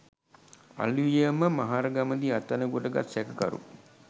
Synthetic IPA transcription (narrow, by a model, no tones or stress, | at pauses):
a̰luəməmaɦaːɾəɡaməd̪iat̪ːanəɡoʈəɡa̰t̪sɛkəka̰ɾṵ